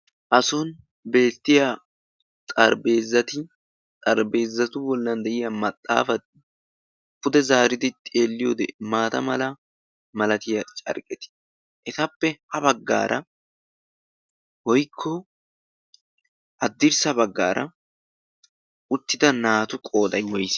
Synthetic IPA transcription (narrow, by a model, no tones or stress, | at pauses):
ʔɐsɔn | be̞ːt̪ːɪja | t̪ʼɐɾbe̞ːzːɐt̪ɪ | t̪ʼɐɾbe̞ːzːɐt̪ʊbɔlːɐnd̪ɛʔɪjɐmɐt̪ʼːa̰ːfɐt̪̚ | kʊd̪ɛzaːɾɪd̪ɪt̪ʼeːlːɪjo̞ːd̪ɛ̰maːt̪ɐmɐlɐ | mɐlɐt̪ɪjɐt͡ʃʼɐ̰ɾkʼɛt̪ɪ̥ | ʔɛt̪ɐpːɛhɐbɐɡːa̰ːɾʔɐ̰ | wɔjkʰːɔ | ʔɐd̪ːɪɾsɐbɐɡːa̰ːɾʔɐ̰ | ʊt̪ːɪd̪ɐnaːt̪ʊkʼo̞ːd̪ɐjwɔjs